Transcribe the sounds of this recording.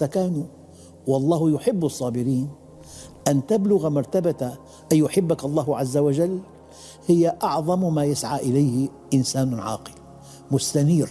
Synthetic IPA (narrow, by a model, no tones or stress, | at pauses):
t̪akaːnu | wɑlˤːɑːhjʊħɪbːɑsˤːɑːbɪɾiːn | ʔant̪ablʊɣamɑɾˤt̪abat̪a | ʔajjʊħɪbːakɑlˤːɑːhʕazːawad͡ʒalː | hɪjaʔɑʕðˤɑmmaːjasʕaːʔɪlajhɪ | ʔɪnsaːnʕɑ̰ːqɪl | mʊst̪aniːɾ